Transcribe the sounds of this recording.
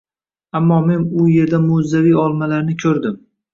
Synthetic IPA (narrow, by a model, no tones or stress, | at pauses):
amːɒme̞nʊje̞ɾd̪amozːavijɒlˠmalaɾnɪkʲʰɵɾd̪ɪm